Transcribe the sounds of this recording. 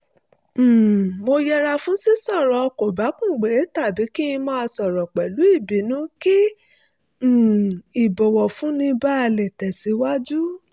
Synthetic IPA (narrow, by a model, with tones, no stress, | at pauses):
mo˧jɛ˧ɾa˧fũ˨˦si˦sɔ˦˨ɾɔ˨˦˧ko˨ba˨˦kũ˦˨ɡ͡be˨˦ta˦˨bi˨˦ki˦ĩ˧mãː˦˧sɔ˨ɾɔ˨k͡pɛ˨lu˨˦i˦˨bi˨˦nũ˦ki˦˨ | i˨bɔ˨wɔ˨fũ˨˦nĩ˧ba˦a˧lɛ˨tɛ˨si˨˧˦wa˦d͡ʒu˦